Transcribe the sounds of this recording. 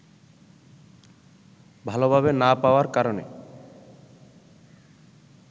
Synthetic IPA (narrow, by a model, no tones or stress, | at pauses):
bʱalobʱabenapaoaɾkaɾonḛ